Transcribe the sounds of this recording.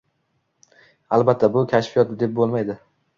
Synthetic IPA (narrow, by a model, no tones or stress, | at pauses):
alˠbat̪ʰːabʊkʲʰaʃfijɒt̪̚ɪd̪e̞p̚bolˠmajd̪ɪ